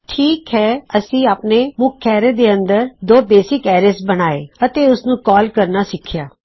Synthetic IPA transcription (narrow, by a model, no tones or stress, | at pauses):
ʈʰiːkɦɛːəsĩːaːpneːmʊkʰːɛːɾeːd̪eːə̃nd̪əɾd̪oːbeːsɪkɛːɾesbənaːḛːət̪eːʊsnũːkɔːlkəɾnasɪkʰːɪjaː